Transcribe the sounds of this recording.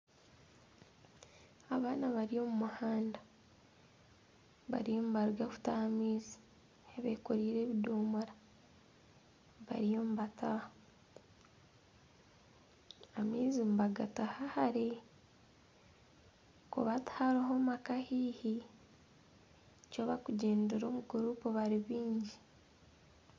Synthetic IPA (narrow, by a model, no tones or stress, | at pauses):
aβaːnaβaɾio̞ːmumuhaːnda | βa̰ɾijo̞ːmβaɾuɡaku̥taamiːzi̥ | eβekoɾiːɾe̞ːβidoːmoɾa | βa̰ɾijo̞ːmuβatah | amiːzimbaɡatahahaɾe | kṵβathaɾiɦomakahiːhi | coβakuɟe̞ːndeɾo̞ːmuɡuɾuːpoβaɾiβiːɲɟi